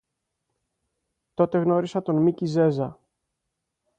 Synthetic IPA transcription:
t̪o̞t̪e̞ɣno̞ɾisɐt̪o̞nmicize̞zɐ

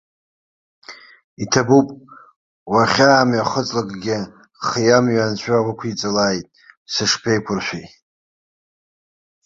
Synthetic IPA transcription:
itʰabupʼ | waχʲaːmɥaχət͡sʼlakʼɡʲɪ | χijamɥant͡ɕʷʰʼaʁʷʊkʷʰit͡sʼalaːjtʼsɨʂpʰejkʷʰʊrʃʷᶣej

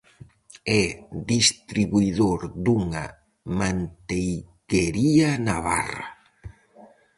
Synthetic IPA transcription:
ɛðist̪ɾiβuiðoɾd̪uŋa̰ | mant̪ejkeɾianaβa̰ra̰

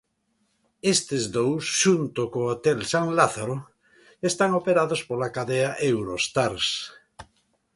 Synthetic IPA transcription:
est̪ezd̪owsʃunt̪okoot̪elsaŋlaθaɾo | est̪aŋopeɾaðospolakaðeaʔewɾost̪aɾs

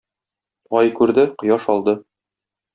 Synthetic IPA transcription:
ɒjkʉɾd̪ɘqŏjɑʃɒlˠd̪ɤ

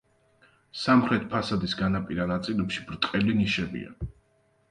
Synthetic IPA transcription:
samχɾɛt̪̚ʰpʰasad̪isɡanapʼiɾanat̪sʼilɛpʃibɾt̪ʼqʼɛliniʃɛbḭa̰

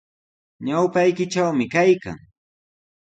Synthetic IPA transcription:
ɲawpajkɪʈ͡ʂawmɪkajka̰ŋ

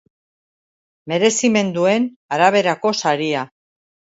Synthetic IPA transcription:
me̞ɾe̞sime̞nd̪ue̞n | aɾaβ̞e̞ɾako̞saɾia

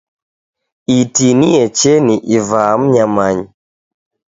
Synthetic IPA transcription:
itiniɛt͡ʃɛniʔivaːm̩ɲamaɲi

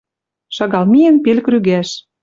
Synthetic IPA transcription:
ʃɑɣɑlmijə̆npelkryɣæʃ

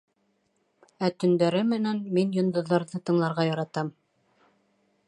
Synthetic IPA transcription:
æt̪ɵ̆nd̪æɾɘmɘ̆nænminjŏnd̪ŏðːɑɾðɤt̪ɤ̆ɴlˠɑɾʁɑjɑɾɑt̪ɑm

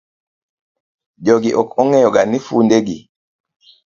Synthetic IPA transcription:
ɟɔɡiʔɔkɔŋɛjɔɡanifundeɡi

